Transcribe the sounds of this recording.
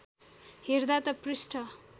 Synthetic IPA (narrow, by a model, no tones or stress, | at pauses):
herd̪at̪ʌprisʈʰʌ